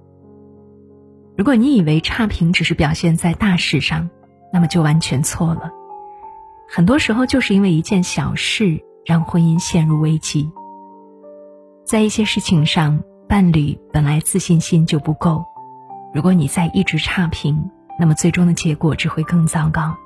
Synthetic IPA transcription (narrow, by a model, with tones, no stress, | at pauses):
ɻu˧˥kwɔ˧˩ni˧˥i˨˩we˧˥ɪʈ͡ʂʰa˥pʰi˧˥ŋʈ͡ʂɻ̩˨˩ʂɻ̩˥˩pjɑ˨˩ʊɕjɛ˥˧nt͡sa˥˧ɪt̪a˥˧ʂɻ̩˥˧ʂɑ˥˧˩ŋ | na˥˩mə˩t͡ɕjo˥˩ʊwa˧˥nt͡ɕʰɥɛ˧˥nt͡sʰwɔ˥˩lə˩ | xə˨˩nt̪wɔ˥ʂɻ̩˧˥xo˧ʊt͡ɕjo˥˧ʊʂɻ̩˥˩i˥nwe˥˩ɪi˧˥t͡ɕjɛ˥˩nɕjɑ˨˩ʊʂɻ̩˥˩ | ɻɑ˥˩ŋxwə˥ni˥nɕjɛ˥˧nɻu˥˩we˥ɪt͡ɕi˥ | t͡sa˥˧ɪi˥˩ɕjɛ˥ʂɻ̩˥˩t͡ɕʰi˧˩ŋʂɑ˥˧ŋ | pa˥˩nli˨˩pə˨˩nla˧˥ɪt͡sɹ̩˥˧ɕi˥˩nɕi˥nt͡ɕjo˥˩ʊpu˧˥ko˥˩ʊɻu˧˥kwɔ˧˥ni˨˩t͡sa˥˧ɪʔi˥˩ʈ͡ʂɻ̩˧˥ʈ͡ʂʰa˥pʰi˧˥ŋ | na˥˩mə˩t͡swe˥˩ɪʈ͡ʂʊ˥ŋd̪ə˩t͡ɕjɛ˧˥kwɔ˨˩ʈ͡ʂɻ̩˨˩xwe˥˧ɪkɤ˥˩ŋt͡sɑ˥ŋkɑ˥ʊ